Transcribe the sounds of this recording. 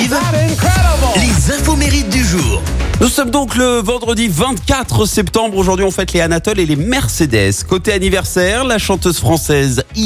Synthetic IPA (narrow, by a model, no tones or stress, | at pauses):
lezɛ̃vomeʁit̪̚d̪yʒuːʁnusɔmd̪ɔ̃kləvɑ̃d̪ʁəd̪ivɛ̃t̪kʲat̪χəsɛpt̪ɑ̃bʁoʒuʁd̪ɥiɔ̃fɛt̪leanat̪ɔlelemɛʁsed̪ɛskot̪eanivɛʁsɛʁlaʃɑ̃t̪øzfχɑ̃sɛzi